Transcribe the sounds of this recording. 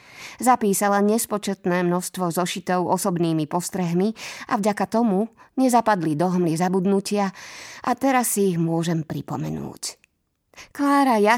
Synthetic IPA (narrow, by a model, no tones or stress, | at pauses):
zapiːsalaɲɛspɔt͡ʃɛt̪nɛːmnɔʃst̪ʋɔzɔʃit̪ɔʊɔsɔbniːmipɔst̪ɾɛɦmia̰vɟakat̪ɔmuɲɛzapad̪lid̪ɔɦmlizabud̪nucɪaʔat̪ɛɾasːiːɣmʊɔʒɛmpɾipɔmɛ̰nṵːc | klaːɾaja